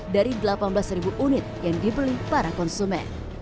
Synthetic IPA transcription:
daɾidəlapanbəlasribuʔunɪt̪̚jaŋdibəlihpaɾakɔnsumɛ̰n

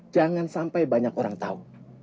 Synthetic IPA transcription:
d͡ʒaŋansampajbaɲakoɾaŋt̪au

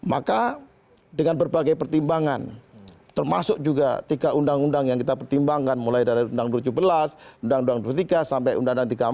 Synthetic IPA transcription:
ma̰ka | dəŋanbərbaɡajpərt̪imbaŋant̪ərma̰sʊk̚d͡ʒuɡa̰t̪ikaʔundaŋundaŋjaŋkit̪apərt̪imbaŋkanmulajdaɾiundaŋduɾd͡ʒubəlasundaŋduaŋduɾt̪ikasampajṵndaŋundaŋt̪ika

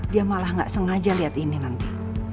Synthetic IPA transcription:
diamalahŋɡa̰ʔsəŋad͡ʒaliɦat̪ininant̪i

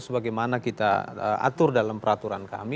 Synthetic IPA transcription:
səbaɡajmanakit̪a̰əʔa̰t̪ʊrdalampəɾat̪uɾanka̰mi

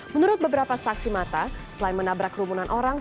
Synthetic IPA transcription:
mənuɾʊt̪̚bəbəɾapasaksimat̪asəlaɪnmənabɾakrumunanʔoɾaŋ

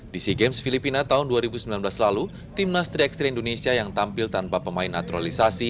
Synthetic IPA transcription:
d̥isiɡemsfilipinat̪aʊnduaɾibusəmbilanblaslalu | t̪imnast̪ɾiɛkst̪ɾeindonesiajaŋt̪ampɪlt̪anpapəmaɪnːat̪uɾalisasi

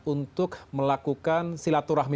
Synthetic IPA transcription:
unt̪ʊkməlakukansilat̪uɾahmi

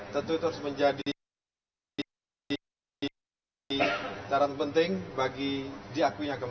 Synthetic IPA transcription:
t̪ənt̪uit̪əɾʊsməɲd͡ʒadi | t̪aɾanpənt̪ɪŋbaɡidiakuɲakəm

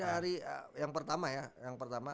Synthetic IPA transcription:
aaɾḭjaŋpərt̪amajajaŋpərt̪ama

